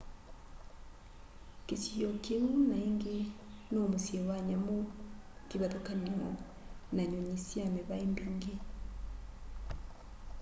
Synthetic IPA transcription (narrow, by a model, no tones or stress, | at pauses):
kesiɔkeŋunaeŋɡe | nomosjɛwaɲamokeβaðokaniɔ | naɲɔɲisjamɛβaemboŋɡe